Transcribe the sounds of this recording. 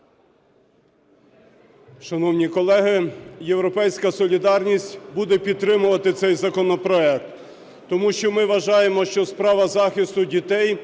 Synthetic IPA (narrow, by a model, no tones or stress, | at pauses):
ʃɐnɔwnʲikɔlˠɛɦɪjewɾɔpɛjsʲkɐsɔlʲid̪ɑrnʲisʲtʲbud̪ɛpʲid̪̚t̪ːɾɪmʊʋɐt̪ɪt̪sɛjzɐkɔnɔpɾɔɛk̚t̪ː | ɔmuʃt͡ʃɔmɪʋɐʒɑjemɔʃt͡ʃɔspɾɑʋɐzɑxʲist̪ʊdʲit̪ɛj